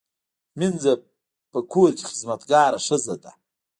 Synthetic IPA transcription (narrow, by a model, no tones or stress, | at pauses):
mɪnd͡za | pʼakʷʰurd͡ʒʼχəzmatʰɡaːɾaʂɨzatʼa